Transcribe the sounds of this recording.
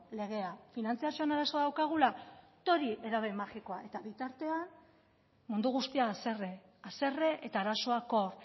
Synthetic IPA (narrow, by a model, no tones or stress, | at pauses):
le̞ɣ̞e̞afinant͡siasio̞enaɾaso̞aðawkaɣ̞ula | t̪o̞ɾiʔe̞ɾaβ̞e̞maxiko̞ae̞t̪aβit̪aɾt̪e̞an | mund̪uɣ̞ust̪iasere | ase̞re̞ʔet̪aːɾaso̞ako̞r